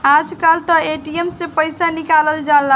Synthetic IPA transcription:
ad͡ʒkalt̪ɔeʈiemsẽpəjsanikaləld͡ʒala

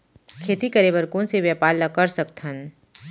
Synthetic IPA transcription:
kʰeːt̪ikɐɾebəɾkũnseʋjapaːɾlɐkəɾsɐkt̪ʰən

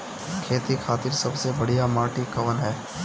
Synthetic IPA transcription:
kʰeːt̪ikʰaːt̪ɪɾsɐbsebɐɽijamaːʈikɐʋənɦɛː

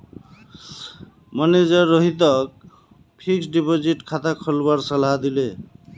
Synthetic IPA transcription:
maned͡ʒʌɾːɔɦit̪̬ʌk̚ | pʰiksɖipoziʈkʰat̪akʰɔlbaɾsʌlɦad̪ile

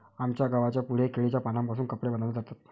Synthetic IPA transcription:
amt͡ɕjaɡaʋat͡ɕjapuɽ̤ekeɭet͡ɕjapanampasuːnkəpɽebənənət̪aɾt̪at̪

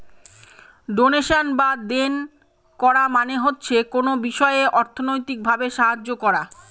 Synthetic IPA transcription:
ɖoneʃanbad̪en | kɔɾamaneɦotːɕʰekonobiʃɔeeʔɔɾt̪ʰonojt̪ik̚bʱabeʃaɦad͡ʑːokɔɾa

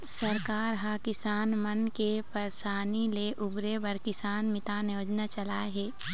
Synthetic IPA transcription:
sɐɾkaːɾɦaːkɪsaːnmɐnkepɐɾsaːnileʔʊbɾebɐɾkɪsaːnmɪt̪aːnjoːd͡ʒnat͡ʃɐlaːɦɛː

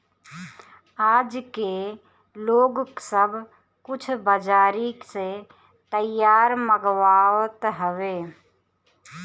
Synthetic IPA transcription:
aːd͡ʒke | loːɡksəb | kʊt͡ʃʰbəd͡ʒaːɾikse | t̪əjaːɾməɡwaːwt̪ɦəʋeː

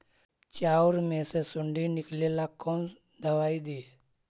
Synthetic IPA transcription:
t͡ʃauɾmẽsesuɳɖinɪklelakːon | d̪əʋaːid̪iː

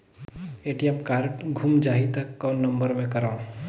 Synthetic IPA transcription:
eːʈijɛmkaːɾʈɡʱumd͡ʒaːɦit̪əkːaːnːəmbəɾmẽkəɾaːũ

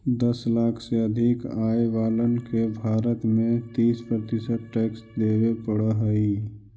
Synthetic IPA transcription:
d̪əslaːkʰseəd̪ʱikaːjʋaːlənkebʱaːɾət̪mẽt̪iːspɾət̪ɪsəd̪̚ʈeːksd̪eːwepəɽəɦəi

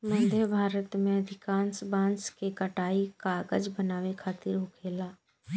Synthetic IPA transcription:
mə̃nd̪ebʱaːɾət̪mẽəd̪ʱɪkaːnsbãːnskekəʈaːikaːɡəd͡ʒbənaːʋekʰaːt̪ɪɾɦʊkʰeːlaː

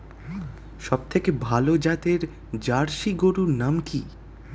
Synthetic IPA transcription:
ʃɔb̚t̪ʰekebʱalod͡ʑat̪eɾ | d͡ʑaɾʃiɡoɾuɾnamki

